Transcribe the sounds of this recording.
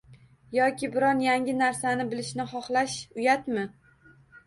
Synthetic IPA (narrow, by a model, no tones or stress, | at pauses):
jɒkʲʰɪbɪɾɒnjaŋʲɪnaɾsanɪbɪlɪʃnɪχɒχlaʃʊjat̪mɪ